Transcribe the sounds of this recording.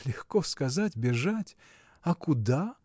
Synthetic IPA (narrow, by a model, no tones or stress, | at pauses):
lʲɪxkoskɐzatʲbʲɪʐatʲ | ɐkʊd̪a